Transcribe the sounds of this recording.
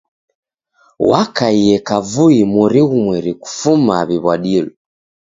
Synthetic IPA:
wakaijɛkavuimuɾiɣumwɛɾiku̥fumaβiβwaɗilɔ

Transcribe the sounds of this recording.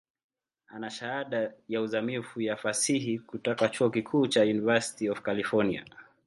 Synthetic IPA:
anaʃahaɗajauzamifujafasiɦikutɔkat͡ʃuɔkikʰuːt͡ʃajunivasi̥tiɔfkalifɔnia̰

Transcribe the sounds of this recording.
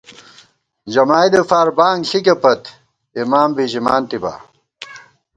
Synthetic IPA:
d͡ʑɐmaːjd̪efaːɾbaːŋɡɬikepɐt̪ | imaːmbiɕimaːnt̪iba̰ː

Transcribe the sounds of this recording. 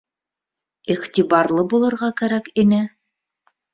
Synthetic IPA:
iχt̪ibɑɾlˠɤbulˠɤ̆ɾʁɑkæɾækinɘ

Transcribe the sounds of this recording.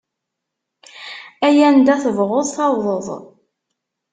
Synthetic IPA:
æjænd̪æθəvʁoðˤθɑwðˤəðˤ

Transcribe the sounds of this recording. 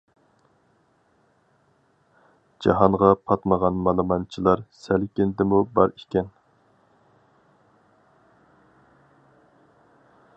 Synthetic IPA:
d͡ʒɑɦɑnʁɑpʰɑt̪məʁɑnmɑlˠəmɑnt͡ʃʰilˠɑɾsælkʲɪnd̪ɪmubɑɾikʲɛn

